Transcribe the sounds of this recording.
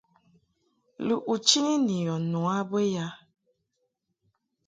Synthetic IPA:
lu˨ʔu˨t͡ʃi˦ni˦ni˨jɔ˨nu˨a˦be˦ja˦

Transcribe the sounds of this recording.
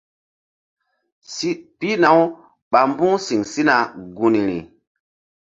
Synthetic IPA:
si˦pi˦na˨˦w | ɓa˨m˦bu˦ŋsi˨ŋsi˦na˨ɡu˨ni˨ɾḭ˨

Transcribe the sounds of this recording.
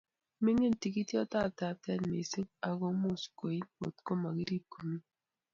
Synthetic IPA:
me˦ɲe˦n˨ti˨ki˦tjɔ˦ta˦˨ta˨tɛ˦nme˨si˦ŋa˨ɡo˦mʊ˦˨sko˨i˦o̰˨tko˦ma˨ɡi˦ɾi˦ko˨mi˦

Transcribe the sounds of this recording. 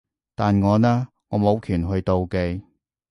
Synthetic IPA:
t̪aː˨nŋɔː˨˧naː˥ | ŋɔː˨˧mo˨˧wkʰyː˨˩nɦɵ˧ɥt̪o˨˧wke˧j

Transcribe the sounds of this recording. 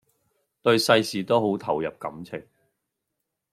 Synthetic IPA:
t̪ɵ˧ɥsɐ˧jsiː˨t̪o˥wɦo˨˥wt̪ʰɐ˨˩wjɐ˨p̚kɐ̰˨˥mt͡sʰɪ˨˩ŋ

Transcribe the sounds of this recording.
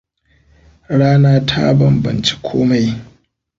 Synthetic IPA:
ɽaː˦naː˦tʰa̰˦bɐ˦mbɐ̰˨nt͡ʃi̥˦kʷʰoː˦ma˦j

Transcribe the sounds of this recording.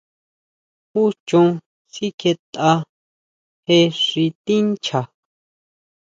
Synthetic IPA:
hu˦t͡ʃũ˧ | si˦ke˧t̪a˧ | he˧ʂi˧t̪i˦n˦t͡ʃʰa˨

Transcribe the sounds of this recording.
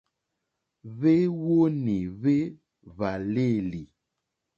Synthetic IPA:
βe˦wo˦ni˨βe˦ | βa˨le˦˨li˨

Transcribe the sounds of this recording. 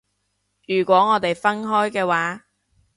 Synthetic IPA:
jyː˨˩kʷɔː˨˥ŋɔː˨˧t̪e˨jfɐ˥nɦɔː˥jkɛː˧waː˨˥

